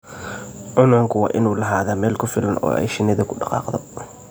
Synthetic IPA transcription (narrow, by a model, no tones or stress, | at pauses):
ʕʊnɐŋkʰʊwɑ̰ːʔɪnuːlɐɦaːðaːmɛːlkʰʊfɪlɐnʔɔ̰ːʔɛ̰jʃɪnɪðɐkʰʊɖɑqɑ̰ːqðɔ